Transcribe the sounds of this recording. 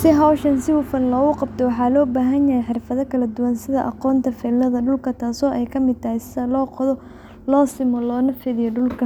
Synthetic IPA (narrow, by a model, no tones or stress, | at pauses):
sɪɦɐwʃɐnsɪʊfɐnlɔːɣʊqɑb̚t̪ʰɔwɑħɑːlɔːbaːɦɐnjɐɦɛjħɪrfɐðɐkʰɐlɐd̪ʊwɐnsɪðɐʔɑqɔːnt̪ʰɐfɛːlːɐðɐɖʊlkʰɐt̪ʰaːsɔːʔɛjkʰɐmɪd̪̚t̪ʰɐɦɛjsɪðɐlɔːqɔðɔ | lɔːsɪmɔlɔːnɐfɪðɪjɔɖʊlkʰɐ